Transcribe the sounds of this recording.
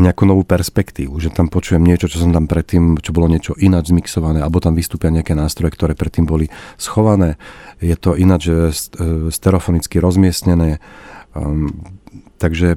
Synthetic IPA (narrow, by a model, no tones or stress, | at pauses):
ɲɛakuːnɔʋuːpɛɾspɛkt̪iːʋuʒɛt̪ampɔt͡ʃuːʋjɛmɲɪɛt͡ʃɔt͡ʃɔsɔmt̪ampɾɛt̪ːiːmt͡ʃɔbɔlɔɲɪɛt͡ʃɔʔinad͡ʒzmiksɔʋanɛːalɛbɔt̪amʋist̪uːpɪaɲɛakɛnaːst̪ɾɔjɛkt̪ɔɾɛːpɾɛt̪ːiːmbɔlisxɔʋanɛːjɛt̪ɔʔinad͡ʒsst̪ɛɾɛfɔnit͡skiɾɔzmɪɛsɲɛnɛː | t̪aɡʒɛ